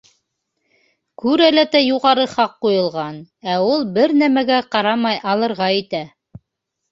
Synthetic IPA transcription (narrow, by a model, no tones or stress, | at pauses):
kʉɾælæt̪æjuʁɑɾɤχɑqːujɤ̆lˠʁɑnæulˠbɘɾnæmæɡæqɑɾɑmɑjʔɑlˠɤ̆ɾʁɑit̪æ